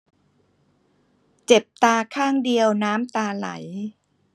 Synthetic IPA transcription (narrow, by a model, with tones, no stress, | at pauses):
t͡ɕe˨˩p̚t̪aː˧kʰaː˥˩ŋdi˧əwnaː˦˥mt̪aː˧la̰˩˦j